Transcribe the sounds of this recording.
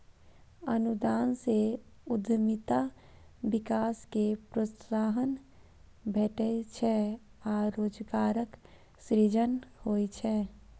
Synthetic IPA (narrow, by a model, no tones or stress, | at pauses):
ənud̪aːnseʊd̪ʱmit̪a | bɪkaːskepɾossaːɦən | bʱeːʈət͡ʃʰɛaːɾoːd͡ʒɡaːɾək | sɾid͡ʒənhoːit͡ʃʰɛː